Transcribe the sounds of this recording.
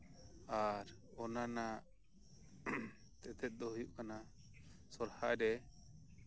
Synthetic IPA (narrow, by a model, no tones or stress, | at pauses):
aɾ | ɔnana | t̪ɛt̪ɛt̪̚d̪ɔɦujuʔkana | sɔɾhaʔɛɾɛ